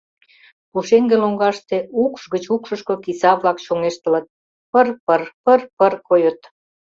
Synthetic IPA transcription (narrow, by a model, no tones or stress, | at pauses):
puʃeŋɡeloŋɡɑʃt̪eukʃɣət͡ɕukʃə̆ʃkokisɑβlɑkʃoŋeʃt̪ə̆lə̆t̪̚ | pərpərpərpərkojət̪